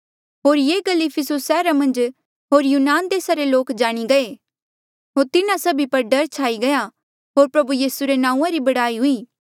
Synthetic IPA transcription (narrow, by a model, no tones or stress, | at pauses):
ɦoːɾjeːɡɐlːipʰɪsʊsːɛːɾamɐ̃nd͡ʒ | ɦoːɾjuːnaːnd̪eːsaɾeloːkd͡ʒaːɽ̃iɡɐe | ɦoːɾt̪ɪnãsɐbʱipɐɾɖɐɾt͡ʃʰaːiɡɐja | ɦoːɾpɾɐbujiːsuɾenãːũãɾibɐɽaːiɦʊiː